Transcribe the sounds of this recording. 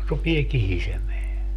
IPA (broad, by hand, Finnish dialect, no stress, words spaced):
rupie kihisemeæ